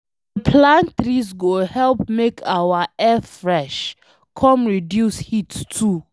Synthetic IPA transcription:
əpʰlãntɾisɡohɛlpmekʰawaɛθfɹɛʃ | kʰɔmɹidjushittʰːu

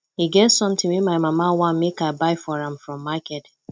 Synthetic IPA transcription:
hiɡɛtsɔ̃mt̪ɪ̃ŋwimaɪmamawãnmekabaɪfɔɹãmfɹɔ̃mːakɛt

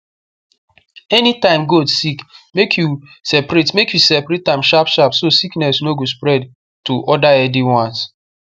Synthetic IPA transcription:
ɛnitãɪ̃mɡodsikmekʰjusɛpɾetmekjusɛpɾetãmʃapʃapsosiknɛsnoɡos̬pɾɛd | tuʔɔdaɛdiwɔ̃ns

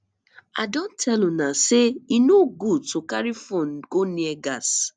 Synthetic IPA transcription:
a̰dõntʰɛlũnaseinoɡutokaɾifɔnkoniɛɡas

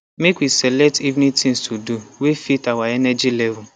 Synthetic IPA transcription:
mekwisɛlɛk̚tivnitĩŋstʰuduwefitawaɛnɛd͡ʒilɛvʊ

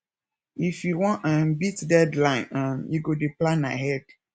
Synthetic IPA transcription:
ifjuwɔ̃nãmbitdɛdlãɪ̃nãmjiɡodeplãnːa̰ɦɛd̥

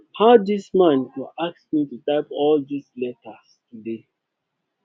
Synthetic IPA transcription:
haʊdismãnkuʔak̚smitutaɪpɔldislɛtʰastude

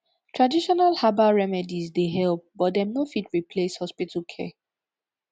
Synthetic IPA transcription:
tʰɹadiʃɔnalhabaɹɛmɛdizdeɦɛlp̚bɔt̚dɛ̃mnofitɹipʰleshɔspitʰəkʰɛ̰

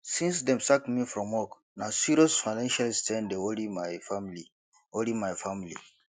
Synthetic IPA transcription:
sĩnsdɛ̃msakmifɾɔ̃mɔk | nasiɾosfajnãnʃalstɛ̃ndeolimajfamili | olimajfamilḭ

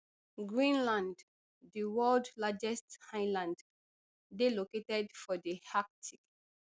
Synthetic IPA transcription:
ɡɹĩnlãnd | diwɜldlad͡ʒɛsthãɪlãnd | deloketɛdfɔdihak̚tʰik

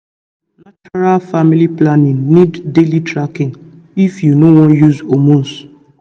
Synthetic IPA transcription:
nat͡ʃɔɾalfamiliplanĩŋniddelitɾakĩŋ | ifjunowɔ̃njuzomũns

